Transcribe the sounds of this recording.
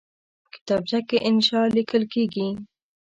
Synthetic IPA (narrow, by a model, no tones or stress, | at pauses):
kɪ̥t̪ɑːbd͡ʒakeʔɪnʃɑːlikəlkeːɡi